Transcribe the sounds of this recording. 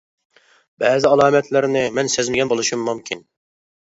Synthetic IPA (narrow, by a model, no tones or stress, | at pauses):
bɛːzɪɑlˠɑːmɛt̪ʰlɪɾnɪmɛnsɪzmɪɡʲɛnbolˠuʃumːumkʲʰin